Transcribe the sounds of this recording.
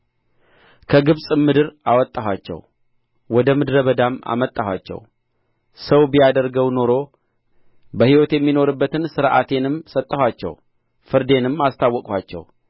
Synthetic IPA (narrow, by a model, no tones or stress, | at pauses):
kʰəɡɨβsʼɨmɨd̪ɨɾawɔt̪ʼːaɦwat͡ʃːɛ̰w | wɔd̪əmɨd̪ɨɾəβəd̪ama̰mət̪ʼːahwa̰t͡ʃːɛ̰w | səwbijad̪əɾɡəwno̞ɾo̞ | bəhiwɔt̪jɛmːino̞ɾɨbːət̪ʰɨnsɨɾʔa̰t̪ʰe̞nɨmsət̪ʼːəhʷwat͡ʃːɛ̰w | fɨɾd̪e̞nɨmːast̪ʰawːɔkʼwat͡ʃːɛ̰w